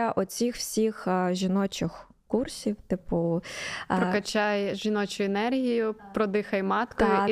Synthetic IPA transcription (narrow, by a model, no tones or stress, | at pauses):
ɐʔɔt͡sʲixwsʲixʒʲinɔt͡ʃɪx | kursʲiwt̪ɪpʊ | ɾkɐt͡ʃajʒinɔt͡ʃʊɛnɛrɦʲijʊpɾɔd̪ɪxɐjmɑt̪k̪ɔj